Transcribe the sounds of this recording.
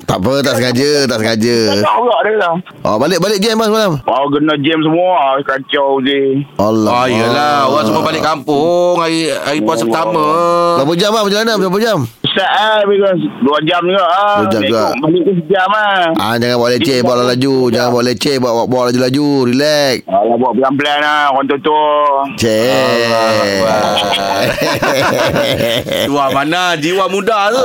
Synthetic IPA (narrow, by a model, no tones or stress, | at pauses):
t̪a̰pət̪aʔsəŋad͡ʒət̪aʔsəŋad͡ʒəəɡaʔdəlah | ʔɔ̰balɪʔ̚balɪʔ̚d͡ʒɛmːasəmalamwauɡənɔd͡ʒɛms̬əmuakat͡ʃɔd͡ʒiɔlɔajəlauaŋsəmuabalɪʔkːampʊŋaiaɾipuasəpət̪amədapəd͡ʒamːaməd͡ʒəlanasap̬əd͡ʒaməsaʔabikɔsduad͡ʒamd͡ʒuɡaʔdad͡ʒamd͡ʒuɡaʔməliʔk̪us̬əd͡ʒamaad͡ʒaŋanboaʔlɛt͡ʃebaaʔlalad͡ʒud͡ʒaŋanbaʔlɛt͡ʃebʔwaʔbawaʔlad͡ʒulad͡ʒuɾilɛk̚alabuaʔpəlampəlanakant̪ot̪ot͡ʃe | iwamanad͡ʒiwamudat̪u